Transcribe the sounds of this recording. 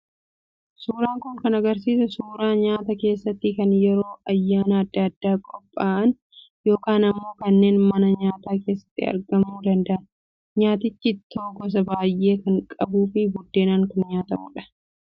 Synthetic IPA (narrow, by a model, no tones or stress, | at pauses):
suːɾaːŋkʊŋkɐnɐɡɐɾs̬iːsɐsuːɾaːɲaːt̪ɐke̞ːsːɐt̪ːɪkɐnjɛɾo̞ːʔɐjːaːnɐːd̪ːɐd̪ːaːkʼɔpʼːaːʔɐn | jo̞ːkaːnɐmːo̞ːkɐnːe̞ːnmɐnɐɲaːt̪aːke̞ːsːɐ̥t̪ːɪɐ̰ɾɡɐmuːd̪ɐnd̪ɐʔɐn | ɲaːt̪ɪt͡ʃːɪt̪ʰːoːɡɔs̬ɐbaːjʔe̞ːkɐŋkʼɐbuːfɪbʊd̪ːe̞ːnaːŋkʊnɲaːt̪ɐmʊ̰ᶑɐ̥